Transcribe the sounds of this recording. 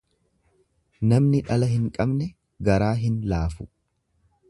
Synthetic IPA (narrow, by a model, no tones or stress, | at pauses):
nɐmnɪᶑɐlɐhɪŋkʼɐbnɛ | ɡɐɾaːɦɪnlaːfʊ